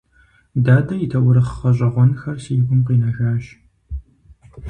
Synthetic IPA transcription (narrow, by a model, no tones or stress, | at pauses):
daːdɐjitʰɐwʊɾɨχɐɕ̬ʼɐʁʷɔnxɐrsiːɡʷʊmqiːnɐxaːɕ